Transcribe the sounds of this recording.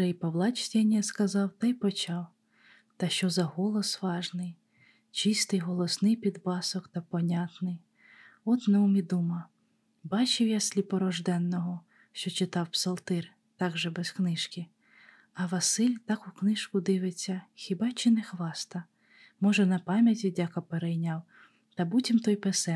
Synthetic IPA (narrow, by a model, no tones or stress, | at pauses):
ʒɛjpɐwlˠɑt͡ʃt̪ʲɛnʲːɐskɐzɑwt̪ɐjpɔt͡ʃɑw | t̪ɐʃt͡ʃɔzɐɦɔlˠɔsʋɑʒnɪj | t͡ʃist̪ɪjɦɔlˠɔsnɪjpʲid̪bɑsɔkt̪ɐpɔnʲat̪nɪj | ɔt̪nɛumʲid̪umɐ | bɑt͡ʃɪwjasʲlʲipɔɾɔʒd̪ɛnːɔɦɔ | ʃt͡ʃɔt͡ʃɪt̪ɑwpsɔlˠt̪ɪr | t̪ɑɡʒɛbɛsknɪʃkʲɪ | ɐʋɐsɪlʲt̪ɑkʊknɪʃkʊd̪ɪʋɪt͡sʲːɐxʲɪbɑt͡ʃɪnɛxʋɑst̪ɐ | mɔʒɛnɐpɑmʲjɐtʲidʲakɐpeɾɛjnʲɑw | t̪ɐbutʲimt̪ɔjpesɛ